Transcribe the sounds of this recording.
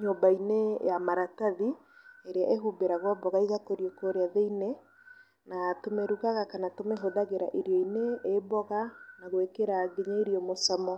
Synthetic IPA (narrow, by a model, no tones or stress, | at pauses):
ɲobainejamaɾataði | eɾeaʔeɦubeɾaɣwabɔɣaiɣakoɾiɔkoɾeaðeine | natomeɾuɣaɣakanatomeɦoðaɣeɾa̰ʔeɾjɔineebɔɣanaɣwekeɾaɡeɲaiɾiɔmosamɔ